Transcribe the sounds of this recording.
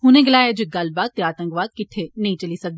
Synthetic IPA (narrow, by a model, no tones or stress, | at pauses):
ɦʊnẽɡɪlaːjad͡ʒoɡɐlbaːd̪̚t̪ːeaːt̪ə̃ŋkʋaːd̪̚kɪʈʰːenɐɦĩt͡ʃɐlisɐk̚d̪i